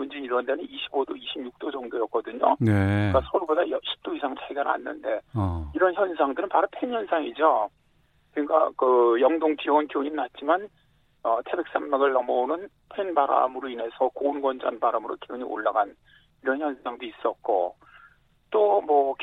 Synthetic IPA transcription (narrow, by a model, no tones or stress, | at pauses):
mund͡ʑeiɾwʌndenɯniɕʰibodoiɕʰibɲuk̚t͈od͡ʑʌŋdojʌk͈ʌdɯɲoekasʰʌuɭbodajʌɕʰi̥p̚t͈oisʰaŋt͡ɕaɡjana̰nːɯ̰nde̞iɾʌnçjʌnsʰaŋdɯɾɯnpaɾɯpʰenjʌnsʰaŋid͡ʑo | kɯɲik͈a̰kɯjʌŋdoŋt͡ɕijʌɡɯnkjoɲinat̚t͡ɕ͈iman | ʌtʰe̞be̞k̚s͈amːaɡɯɭːʌmʌunɯn | pʰenbaɾa̰mɯɾoine̞sʰʌkonɡwʌnd͡ʑanbaɾamɯɾo̰kioɲiʔo̰ɭːaɡan | iɾʌnçjʌnsʰaŋdois͈ʌt̚k͈o̰ | t͈omwʌk